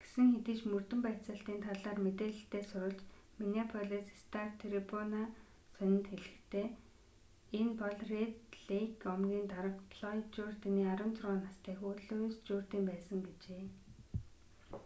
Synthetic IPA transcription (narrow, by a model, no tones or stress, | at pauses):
ɡ̥e̥sɘ̆ŋxet̪ɘ̆t͡ɕmɵr̥t̪ɵ̆mpæt͡sə̆ɬt̪iːnt̪ʰaɮaːrmet̪eːɮɘ̆ɬt̪eːsʊɾʊ̆ɮt͡ɕ | miniapʰɔɮeːsst̪ʰart̪ʰɾepʰɔna | sœnʲɪ̆nt̪xeɮɘ̆xt̪ʰeː | enpɔɮret̪ɮekɔmɡʲiːnt̪aɾə̆kpʰɮɔt͡ɕuːrt̪eniːaɾə̆nt͡sʰʊrʁɔːnast̪ʰæːxoːɮost͡ɕuːr̥t̪iːmpæːsə̆ŋɡet͡ɕeː